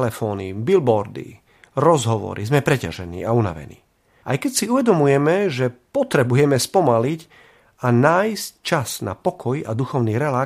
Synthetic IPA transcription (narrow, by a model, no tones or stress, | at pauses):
lɛfɔːnibilbɔɾd̪ḭ | ɾɔzɦɔʋɔ̰ɾizmɛpɾɛca̰ʒɛnḭːauna̰ʋɛ̰nḭː | ʔajkɛcsiuʋɛd̪ɔmujɛmɛʒɛpɔt̪ɾɛbujɛmɛspɔmalic | anaːjsc̚t͡ʃasna̰pɔkʰɔja̰d̪uxɔʊniːɾɛlaː